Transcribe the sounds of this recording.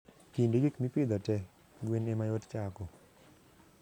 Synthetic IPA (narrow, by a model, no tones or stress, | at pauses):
kindeɡikmipɪd̪ɔtɛ | ɡwenemajott͡ʃakɔ